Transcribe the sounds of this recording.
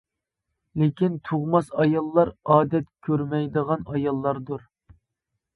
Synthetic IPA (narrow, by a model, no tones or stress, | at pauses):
lekʲint̪ʰuʁmɑsɑjɑlˠːɑɾɑːd̪ɛt̪kʲʰøɾmɛjd̪əʁɑnɑjɑlˠːɑɾd̪uɾ